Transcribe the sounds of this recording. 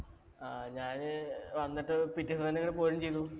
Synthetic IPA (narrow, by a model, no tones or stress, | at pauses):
aɲaːnʋɐnːiʈːɨpitːisɐt̪ɐnːekːɐɽepo̞ːɾumt͡ɕe̞jt̪ːu